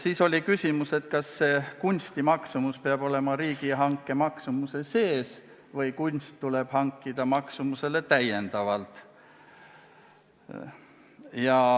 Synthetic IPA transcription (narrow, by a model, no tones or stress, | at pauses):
siːso̞lʲikysʲimuse̞t̪kɑsːe̞kunʲst̪imɑksumuspeɑb̥o̞le̞mɑɾiːɡ̥iɦɑŋkːˑe̞mɑksumuse̞se̞ːs | vɤjkunʲst̪ːuleb̥hɑŋkːid̪ɑmɑksumuse̞le̞t̪æjːe̞nd̪̥ɑvɑlt̪ˑ | jɑ